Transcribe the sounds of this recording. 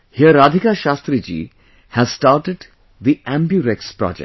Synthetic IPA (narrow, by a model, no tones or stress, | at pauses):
hiəɾad̪ʱikaʃast̪ɾid͡ʒḭː | hæzsʈaːɾʈeɖ | d̪iæ̃mbjuɾekspɾɔ̰d͡ʒḛ